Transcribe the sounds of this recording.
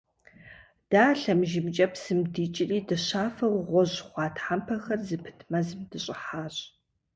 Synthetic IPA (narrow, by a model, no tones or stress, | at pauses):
d̥aːɬɐmʒɪmt͡ʃʼɐpsɨmdiːt͡ʃʼɪriːdɨɕaːfɐʁʷʁʷɔʑχʷɑːtħampʰɐxɐrzɨpʰɨ̥tʰmɐzɨmdɨɕʼɪħaːɕ